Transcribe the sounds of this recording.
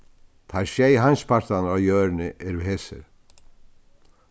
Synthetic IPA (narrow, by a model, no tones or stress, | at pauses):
t̪ʰajʃeːjɦajnspʰaɾ̥t̪anawjœːɾnɪʔɛɾvɪðhɛsɪ̰ɾ